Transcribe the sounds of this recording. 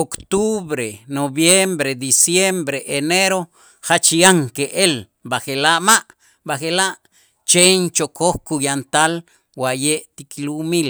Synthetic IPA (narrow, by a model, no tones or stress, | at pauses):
okt̪uβɾenoβjembɾed̪isjembɾeʔeneɾo | xat͡ʃiaŋkeʔel | baxelaʔmaʔ | baxelaʔ | t͡ʃent͡ʃokʰohkujant̪al | wajeʔt̪ikilumil